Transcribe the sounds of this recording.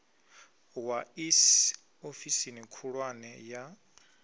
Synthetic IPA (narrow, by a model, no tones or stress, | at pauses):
wais | ofisinikʰuɺwanɛja